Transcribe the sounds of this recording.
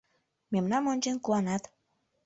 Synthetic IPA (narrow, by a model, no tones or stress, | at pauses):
memnɑmonʲt͡ɕenkuɑnɑt̪